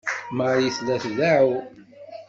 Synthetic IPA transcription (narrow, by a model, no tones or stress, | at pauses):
mʁjiθlæθðaʕu